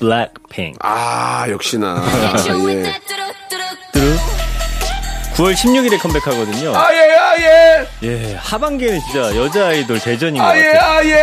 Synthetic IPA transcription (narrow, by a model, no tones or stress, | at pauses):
bɭak̚pʰḭŋajʌk̚ɕ͈ina̰je | t͈ɯɾɯ | kuwʌɭɕʰimɲuɡiɾekʰʌmbe̞kʰaɡʌdɯɲoajeajeje̞habaŋɡenɯnt͡ɕint͡ɕ͈ajʌd͡ʑaenoɭte̞d͡ʑʌɲiŋɡajeaje